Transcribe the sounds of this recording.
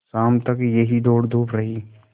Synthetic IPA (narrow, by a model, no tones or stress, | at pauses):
saːmt̪ɐkjɐɦid̪oːɽd̪ʱuːpɾɐɦiː